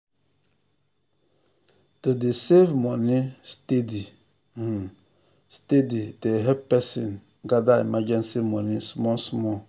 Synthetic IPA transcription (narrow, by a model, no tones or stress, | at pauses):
todesevmɔnistedi | stedideɦɛpɛsḭn | ɡadamad͡ʒɛnsevmɔnisumɔnsumɔ